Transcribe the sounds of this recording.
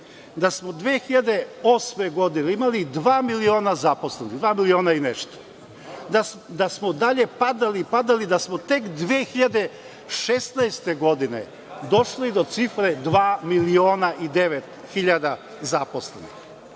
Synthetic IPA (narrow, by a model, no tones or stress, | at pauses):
d̪asmod̪ʋeːxiʎad̪e̞o̞smeɡo̞d̪ineimalid̪ʋaːmilio̞ːnazapo̞slˠeniɣd̪ʋaːmilio̞ːnaineʃt̪o̥ | d̪a | d̪asmod̪aʎe̞pad̪alipad̪alid̪asmot̪e̞kd̪ʋeːxiʎad̪e̞ | ʃest̪naest̪eɡo̞d̪inḛ | d̪o̞ʃlid̪o̞t̪sifɾed̪ʋaːmilio̞ːnaʔid̪eʋet̪ | xiʎad̪a | zapo̞sle̞̰nḭx